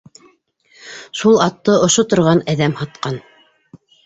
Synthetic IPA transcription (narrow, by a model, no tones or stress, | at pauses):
ʃulˠɑt̪ːɤŏʃot̪ŏɾʁɑnæðæmhɑt̪̚qɑn